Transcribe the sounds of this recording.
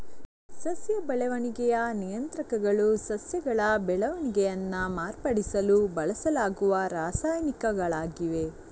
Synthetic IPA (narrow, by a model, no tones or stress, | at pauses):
sɐsjɐbɛɭɐʋɐniɡɛjɐnijɐnt̪ɾɐkɐɡɐɭusɐsjɐɡɐɭɐbɛɭɐʋɐniɡɛjɐnːɐmaːɾpɐɽisɐlubɐɭɐsɐlaːɡuʋɐɾaːsaːjnikɐɡɐɭaːɡiʋe̞